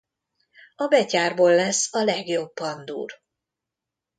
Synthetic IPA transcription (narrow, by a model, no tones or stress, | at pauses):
ɒbɛcaːrboːlːɛsːɒlɛɡjo̞bːɒnd̪ṵːr